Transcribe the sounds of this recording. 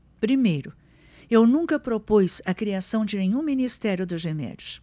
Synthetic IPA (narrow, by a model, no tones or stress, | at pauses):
pɾimejɾʊ | ewnũŋkɐpɾopujsɐkɾiasɐ̃w̃d͡ʒɪnẽɲũminist̪ɛɾjʊd̪ʊzemɛ̰d͡ʒʊs